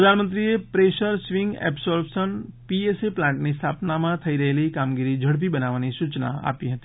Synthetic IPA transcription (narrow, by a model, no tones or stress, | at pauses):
pɾəd̪ʱanmənt̪̬ɾiepɾeʃəɾsʋĩŋɡɛ̰psɔɾbsənpieseplãɳʈnist̪ʰapnamãt̪ʰəiɾəɦelikamɡiɾid͡ʒʱəɽp̬ibənaʋanisut͡ʃna̰a̰piɦət̪i